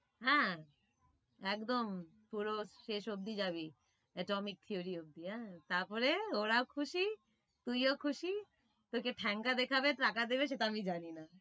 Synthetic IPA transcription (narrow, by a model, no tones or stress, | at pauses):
ɦɛ̃ | ɛkd̪om | puɾoʃeʃob̚d̪id͡ʑaβi | ɛʈɔmik̚t̪ʰioɾiob̚d̪iɦɛ̃t̪aɾpɔɾeoɾaokʰuʃi | t̪ujokʰuʃi | t̪okeʈʰɛŋkad̪ekʰabetɾakad̪eβeʃ̬eʈaamid͡ʑanina